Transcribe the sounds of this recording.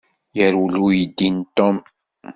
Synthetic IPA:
jəɾulujəd̪ːint̪ːɔm

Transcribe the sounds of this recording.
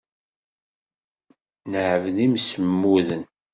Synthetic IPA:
nəʕəvnimsəmːuðən

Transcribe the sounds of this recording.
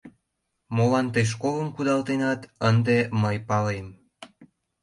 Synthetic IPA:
molɑnt̪əjʃ̬koləmkud̪ɑlt̪enɑt̪ənd̪eməjpɑlem

